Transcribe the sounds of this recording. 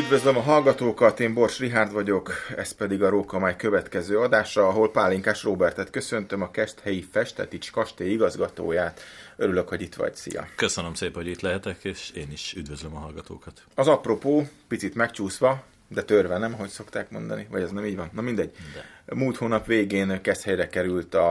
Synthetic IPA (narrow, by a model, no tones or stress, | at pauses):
yd̪vø̞zlø̞mɒɦɒlɡɒt̪oːkɒt̪eːmbo̞rʃriɦaːrd̪ʋɒɟo̞kɛ̰spɛd̪iɡɒɾoːkɒmaːjkø̞vɛt̪kɛzøːɒd̪aːʃrɒɒɦo̞lpaːlːiŋkaːʃroːbɛrt̪ɛt̪kø̞sø̞nt̪ømɒkɛʃt̪hɛjifɛʃt̪ɛ̰t̪it͡ʃkɒʃt̪eːiɡɒzɡɒt̪o̰ːjaːt̪øɾylø̞kho̞ɟit̪ʋɒ̰ɟsḭjɒ̰køsønømseːpɛhoɟit̪lɛɦɛt̪ɛkeːʃeːniʃyd̪vøzlømɒɦɒlɡɒt̪oːkɒt̪ɒzɒpro̞poːpit̪sit̪mɛkt͡ʃuːsʋɒ | d̪ɛt̪ørvɛnɛmɒɦo̞cso̞kt̪aːkmo̞nd̪ɒ̰nivɒɟɛznɛmiːɟʋɒnːɒmind̪ɛɟ̚ːmuːlt̪hoːnɒpʋeːɡeːnkɛst̪hɛjrɛkɛɾylt̪ɒ